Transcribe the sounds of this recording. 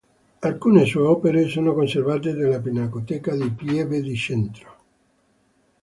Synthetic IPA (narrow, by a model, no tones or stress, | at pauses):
alkuːnesɔeɔːpeɾesoːnokonservaːt̪̬ed̪elːapinakot̪ɛːkad̪ipjɛved̪it͡ʃɛnt̪ɾo̥